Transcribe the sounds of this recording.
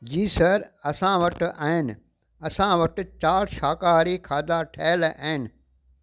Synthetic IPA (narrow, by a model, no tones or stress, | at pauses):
d͡ʑiːsɐɾɐsãʋɐʈʔaːɦɪnɪ̆ | ɐsãʋɐʈ̆t͡ɕaːɽʃaːkaːɾikʰaːd̪aʈʰeːlaːɦɪnɪ̆